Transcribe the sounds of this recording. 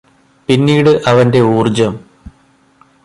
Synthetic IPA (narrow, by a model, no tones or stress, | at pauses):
pinːiːɽɨʔɐʋɐnde̞uːrd͡ʑɐm